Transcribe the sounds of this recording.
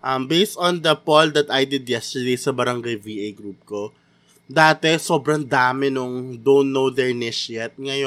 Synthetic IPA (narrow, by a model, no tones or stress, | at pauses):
ʔɐmbejst̪õnd̪ɐpold̪ɐt̪ajd̪ɪd̪jɛst̪ə˞d̪ejsɐbɐɾɐŋɡajviːʔejɡɾup̚ko̞ | d̪aːt̪ɛso̞ːbɾɐŋd̪aːmɪnʊŋd̪õwnt̪nːowd̪ɛɹnɪʃjɛt̪̚ŋɐjo